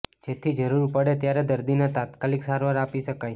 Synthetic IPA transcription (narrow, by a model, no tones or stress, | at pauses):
d͡ʒet̪ʰid͡ʒəɾuɾpəɽet̪jaɾed̪əɾd̪inet̪at̪kaliksaɾʋaɾapiʃəkaj